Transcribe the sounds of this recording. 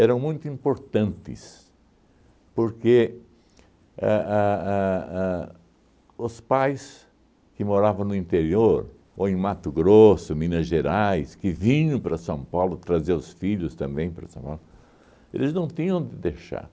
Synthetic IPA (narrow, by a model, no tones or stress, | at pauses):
ɛɾɐ̃w̃mũj̃t̪ʊĩmpoɾt̪ɐ̃nt̪ɪ̰s | poɾke | aa | ʊspajs | kɪmoɾavɐ̃w̃nʊĩnt̪eɾioɾ | oẽj̃mat̪ʊɡɾosʊmĩnɐʒeɾajskɪvĩɲɐ̃pɾɐsɐ̃w̃pawlʊt̪ɾɐzeʊsfiʎʊst̪ɐ̃mbẽj̃pɾɐsɐ̃w̃pa̰wlʊ | ḛlɪznɐ̃w̃t̪ĩɲɐ̃w̃d̪ɪd̪eʃa̰ɾ